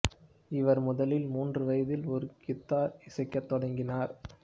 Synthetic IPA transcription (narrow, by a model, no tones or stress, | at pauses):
ɪʋɐɾmʊðɐlɪlmuːndrɯʋɐjɐðɪlɔɾɯkɪt̪ːaːɾɪsɐɪkːɐt̪ːɔɽɐŋɡɪnaːɾ